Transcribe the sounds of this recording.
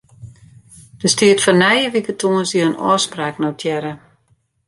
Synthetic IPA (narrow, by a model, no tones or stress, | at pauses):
d̥əstiətfɔnɛjəʋikətʰuənsiəənɔ̰ːspraːknowtʰjɛɾə